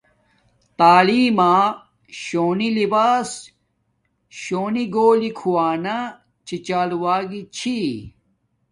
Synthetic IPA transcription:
t̪aːliːmãː | ɕoːnilibaːs | ɕoːniɡoːlikʰuwaːna | t͡ɕʰit͡ɕaːluwaːɡit͡ɕʰi

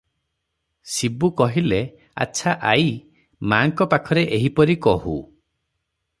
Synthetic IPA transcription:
sibukɔɦile | a̰tːʃʰaʔaj | maːŋkɔpakʰɔɾeʔeɦipɔɾikɔhṵ

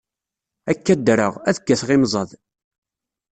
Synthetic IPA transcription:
ækːæd̪ɾə̰ʁæðəɡːæθʁimzˤɑð

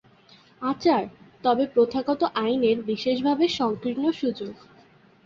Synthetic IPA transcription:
at͡ɕaɾt̪ɔbepɾot̪ʰaɡɔt̪oʔajneɾbiʃeʃbʱabeʃɔŋkɾinoʃud͡ʑoɡ

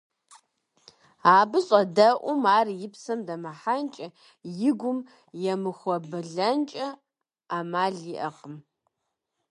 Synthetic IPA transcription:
aːbɨɕʼɐdɐʔʷʊmaːrjɪpsɐmdɐmɐħant͡ʃʼɐ | jɪɡʷʊm | jɛmɨxʷɔbɨɮɐnt͡ʃʼɐ | aːmaːɮiʔɐqʼəm

